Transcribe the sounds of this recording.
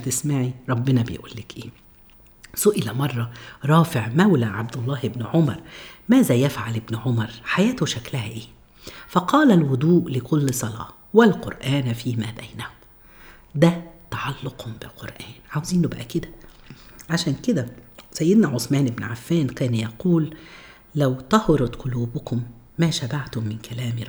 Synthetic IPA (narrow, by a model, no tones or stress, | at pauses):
t̪ɪsmaʕiɾˤɑbːɪnɑbḛjʔṵːlːɪkʔeː | sʊʔɪlæmɑrˤːɑɾˤɑːfɪʕmæwlæʕabd̪ɑlˤːɑːhɪbnʕomɑɾˤmæːzæːjæfʕalɪbnʕomɑɾˤħajæːt̪hʊʃæklæhæʔeː | fɑqɑːlælwʊd̪ˤuːʔlɪkʰʊlːsˤɑlɑ̰ː | wælqoɾʔæːnfiːmæːbæjnæhʊm | d̪æt̪ɑʕɑlːʊqhʊmbɪlqoɾˤʔæːnʕawziːnʊbæʔæked̪æ | ʕaʃæːnked̪æsæjːɪd̪næʕosmæːnʔɪbnʕafːæːnkæːnjɑquːlː | æwt̪ɑhɾʊd̪qʊluːbʊkʊmː | æːʃæbaʕt̪ʊmːɪnkælæːm